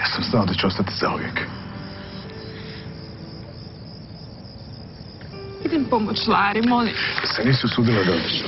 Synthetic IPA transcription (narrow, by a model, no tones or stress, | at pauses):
jasamznaod̪at͡ɕeo̞st̪at̪i̥za̰ṵvjḛk | id̪empomot͡ʃlˠaːɾimolid̪aseniːsuosuːd̪ilad̪ao